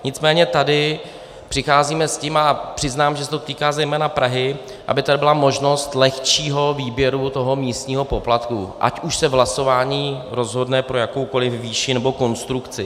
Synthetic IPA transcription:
ɲɪt͡smɛːɲɛt̪adɪ | pr̥ɪxaːziːmɛscimapr̥ɪznaːmʒɛsɛt̪ot̪iːkaːzɛjmɛːnapɾʔaɦɪ | ʔa̰bɪt̪adɪbɪlamo̞ʒno̞st̪lɛxt͡ʃiːɦo̞viːbjɛɾut̪o̞ɦo̞miːst̪ɲiːɦo̞po̞plat̪kuʔa̰cʔuʃsɛvɦlaso̞vaːɲiːɾo̞zɦo̞dnɛpɾo̞jako̞wko̞lɪfvːiːʃɪnɛbo̞ko̞nst̪ɾukt͡sɪ

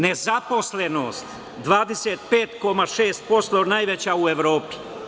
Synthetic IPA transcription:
nezapo̞slenoːst̪ | d̪ʋaːd̪eseːt̪peːt̪ko̞maʃeːst̪̚po̞st̪o̞najʋet͡ɕaueʋɾo̞ːpi̥

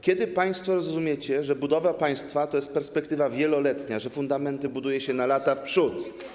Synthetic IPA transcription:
kʲjɛd̪ɘpaj̃st̪fɔɾɔzzumʲjet͡ɕɛʐɛbud̪ɔvapaj̃st̪fat̪ɔjɛst̪pɛɾspɛkt̪ɘvavʲjɛlɔlɛt̪ɲaʐɛfund̪amɛnt̪ɘbud̪ujɛɕɛnalat̪afpʂut̪

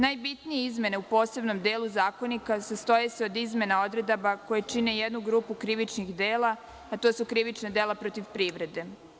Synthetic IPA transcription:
najbit̪nijeizme̞ne̞upo̞ːse̞bno̞md̪eːlˠuzaːko̞nikasast̪ojeseo̞d̪izme̞nao̞d̪ɾe̞d̪abako̞jet͡ʃine̞jed̪nuɡɾuːpukɾiʋit͡ʃnixd̪eːla | at̪oːsukɾiʋit͡ʃnad̪eːlˠapɾot̪iʋpɾiːʋɾe̞d̪e̞

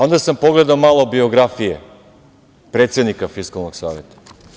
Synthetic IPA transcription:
o̞nd̪asampo̞ɡle̞d̪aomalˠobio̞ɡɾafijḛ | pɾe̞ːt̪se̞d̪nikafiskalˠnoɡsaːʋet̪ḁ

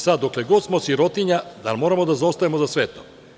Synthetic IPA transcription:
sad̪ːokleɡo̞d̪smosiɾo̞t̪iɲad̪a̰lmo̞ɾamo̞d̪azaost̪ajemozasʋet̪o̰

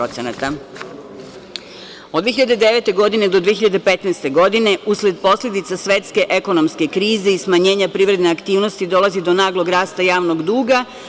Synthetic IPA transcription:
ot̪senat̪a | od̪ʋieçiʎad̪ed̪e̞ʋe̞t̪e̞ɡo̞d̪ined̪od̪ʋieçiʎad̪epe̞t̪nɛst̪e̞ɡo̞d̪ine̞ʔusle̞d̪po̞sʎʲed̪it̪sasʋe̞t̪ske̞ʔe̞ko̞no̞mske̞kɾiːzeismaɲe̞ːɲapɾiːʋɾed̪ne̞akt̪iːʋnost̪id̪o̞lˠazid̪o̞naːɡlˠo̞ɡɾaːst̪ajaːʋnoɡd̪uːɡa

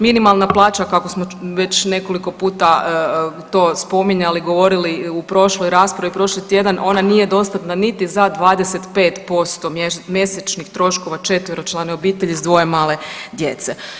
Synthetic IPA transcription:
minimalˠnaplˠaːt͡ʃakakosmoʋe̞t͡ɕne̞ko̞liko̞puːt̪a | t̪o̞ːspo̞miɲaliɡo̞ʋo̞ɾiliupɾo̞ʃlˠojɾaːspɾaʋipɾo̞ʃlit̪je̞d̪anʔo̞nanije̞d̪o̞st̪at̪nanit̪izad̪ʋaːd̪ese̞t̪pe̞ːt̪po̞st̪o̞mmje̞set͡ʃnixt̪ɾo̞ʃko̞ʋat͡ʃe̞t̪ʋiɾot͡ʃlˠaneo̞biːt̪eʎizd̪ʋo̞je̞maːle̞d̪je̞̰t̪se̞

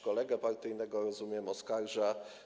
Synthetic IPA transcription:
kɔlɛɡɛpaɾt̪ɘjnɛɡɔɾɔzumʲjɛmɔskaɾʐa

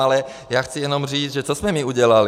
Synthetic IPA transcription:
alɛ | jaːxt͡sijɛnɔmr̝iːd͡zʒɛt͡sɔsmɛmiuɟɛlal

